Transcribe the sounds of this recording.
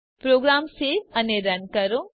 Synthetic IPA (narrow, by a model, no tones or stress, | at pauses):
pɾoːɡɾaːmseɐneɾənkɐɾõ